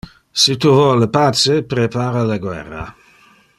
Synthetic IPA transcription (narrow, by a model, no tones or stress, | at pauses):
sit̪uvɔlːəpat͡sepɾepaːɾalaɡwɛ̰rːa̰